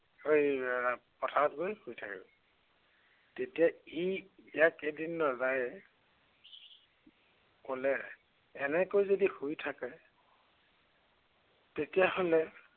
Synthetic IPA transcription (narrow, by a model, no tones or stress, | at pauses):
oj | pɔtʰatkojhojtʰakḭbɔ | tetijaiijakejdinːɔzaj | kɔlɛ | ɛnɛkojzodihojtʰakɛ | tetijaholɛ